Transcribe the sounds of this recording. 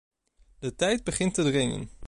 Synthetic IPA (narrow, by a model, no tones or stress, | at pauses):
d̥ətɛjd̚bəχɪntədrɪŋə̰n